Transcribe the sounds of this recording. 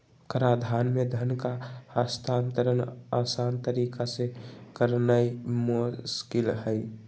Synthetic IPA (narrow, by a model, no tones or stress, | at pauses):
kɾad̪ʱanmed̪ʱənkaast̪ʰant̪əɾənasant̪əɾikasekəɾnajmuskɪlɦəɪ